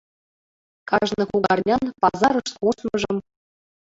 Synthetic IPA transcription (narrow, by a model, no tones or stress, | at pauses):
kɑʒnɤ̆kuɡɑrnʲɑnpɑzɑɾɤ̆ʃt̪kuʃmɤ̆ʒɤ̆m